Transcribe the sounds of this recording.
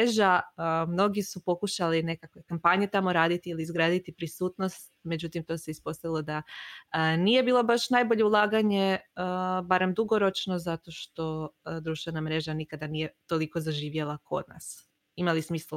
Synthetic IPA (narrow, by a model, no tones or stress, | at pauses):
eʒamno̞ɡisupo̞kuʃaline̞kakʋe̞kampaɲet̪amo̞ɾaːd̪it̪iiliːzɡɾaːd̪it̪ipɾisuːt̪no̞st̪ | me̞d͡ʑut̪imt̪o̞seispo̞st̪aʋilˠo̞d̪aənije̞biːlˠo̞baʃnajbo̞ʎe̞ulˠaːɡaɲe̞əbaɾe̞md̪uɡo̞ɾo̞t͡ʃno̞zat̪o̞ʃt̪o̞d̪ɾuʃt̪ʋe̞namɾe̞ʒanikad̪anije̞t̪o̞liko̞zaʒiːʋjelˠakʰo̞̰d̪̚na̰s | imalismiːsl